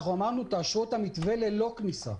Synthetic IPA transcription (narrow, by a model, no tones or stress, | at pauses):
χuamaʁnut̪aːʃot̪amit̪ve̞lelo̞knisa̰